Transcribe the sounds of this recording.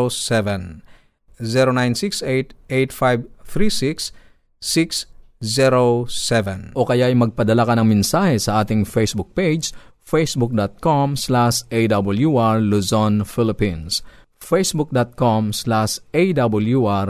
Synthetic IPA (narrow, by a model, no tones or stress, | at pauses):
osɛvɛn | zɛɾonajnsiksejt̪ejt̪fajbt̪ɾisiksː | ikszɛɾosɛvɛnʔokɐjaɐjmɐɡ̚pɐd̪ɐlakɐnɐŋmɛnsahɛsɐʔaːt̪ɪŋfejsbuk̚ped͡ʒs | fejsbuk̚d̪at̪̚komslaʃʔejd̪abɐljuʔaɹluzonfɪlɪpĩns | fejsbuk̚d̪at̪̚komslaʃʔejd̪abɐljuʔaɾ